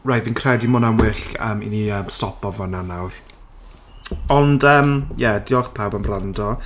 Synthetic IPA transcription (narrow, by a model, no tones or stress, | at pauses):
ɹajvinkʰrɛdimɔnamwɪɬə̰mḭniəmstɔpʰɔvɔnanawr | ɔndəːmjɛdɪɔχpʰawbamrandɔ